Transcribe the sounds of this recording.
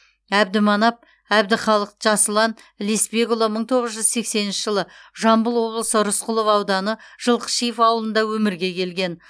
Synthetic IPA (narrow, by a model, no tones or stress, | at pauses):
æb̚d̪ɪmɑnɑp̚ | æbd̪ɪχɑlˠəq̚ʒ̥ɑsəlˠɑn | lespeɡolˠoməɴt̪ʰo̞ʁəzʒʏzse̞kse̞nɪnʃɪʒəlˠəʒɑmbʊlˠwo̞blˠəsəɾʊsqʰʊlˠəvɑwd̪ɑnəʒ̥əlˠqə̥ʃijfɑwəlˠənd̪ɑwɵmɪɾɡʲe̞kʲʰe̞lɡʲe̞n